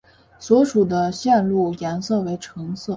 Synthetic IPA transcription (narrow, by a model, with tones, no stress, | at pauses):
swɔ˧˥ʂu˨˩d̪ə˦ɕjɛ˥˧nlu˥˩jɛ˧˥nsɤ˥˩we˧˥ɪʈ͡ʂʰɤ˧˥ŋsɤ˥˩